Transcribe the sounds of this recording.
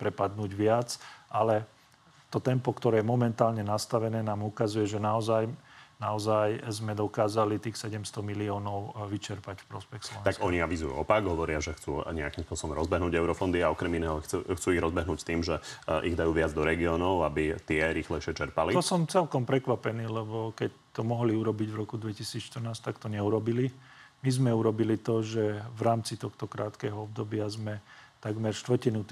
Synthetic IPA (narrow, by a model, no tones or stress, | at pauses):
pɾɛpad̪nuːɟʋɪat͡sʔalɛ | t̪ɔt̪ɛmpɔkt̪ɔɾɛːjɛmɔmɛnt̪aːlɲɛnast̪aʋɛnɛːnaːmukazujɛʒɛnaɔzajnaɔzajzmɛd̪ɔkaːzalit̪iːxsɛɟɛmst̪ɔmiliɔːnɔʊʋit͡ʃɛɾpacfpɾɔspɛxslɔɔʋɛ̃t̪akɔɲiaʋizujṵɔpaɡɦɔʋɔɾɪaʒɛxt͡suːɲɛakimspʊɔsɔbɔmɾɔzbɛɦnuːɟɛʊɾɔfɔnd̪iaɔkɾɛminɛːɦɔt͡suxt͡suːiɣɾɔzbɛɦnuːct̪iːmʒɛʔḭɣd̪ajuːʋɪad͡zd̪ɔɾɛɡiɔːnɔʊabit̪ɪɛɾixlɛɪʃɪɛt͡ʃɛɾpaliɔsɔmt͡sɛlkɔmpɾɛkʋapɛniːlɛbɔkɛc | t̪ɔmɔɦliuɾɔbiɟvɾɔkud̪ʋɛcisiːt͡sʃt̪ər̩naːst̪akt̪ɔɲɛuɾɔbilimizmɛuɾɔbilit̪ɔʒɛvɾaːmt͡sit̪ɔxt̪ɔkɾaːt̪kɛːɦɔɔb̚d̪ɔbɪazmɛt̪aɡmɛɾʃt̪ʋrcinut̪